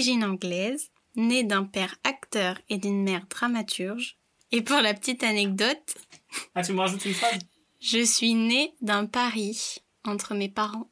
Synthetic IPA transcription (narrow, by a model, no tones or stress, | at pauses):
ʒinɑ̃ɡlɛz | ned̪ɛ̃pɛʁakt̪œʁed̪ynmɛʁd̪ʁamat̪ʰyʁʒ | epuʁlapə̥t̪it̪anɛk̚d̪ɔt̪at̪yməʁaʒut̪ynfaz | ʒəsɥined̪ɛ̃paʁi | ɑ̃t̪χəmepaʁɑ̃